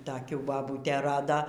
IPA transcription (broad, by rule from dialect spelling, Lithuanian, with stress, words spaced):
toːˈkʲuː bɐˈbuːtʲeː ˈrɑːdoː